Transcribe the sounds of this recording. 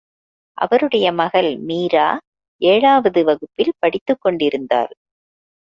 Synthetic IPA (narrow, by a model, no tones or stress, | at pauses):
ʔɐ̰ʋɐɾɯɽɐjɐmɐɣɐlmiːɾa̰ː | ʔeːɻaːʋɐðɯʋɐɣɯpːɪlpɐɽɪt̪ːɯkːɔɳɖɪɾɯnd̪a̰ːɾ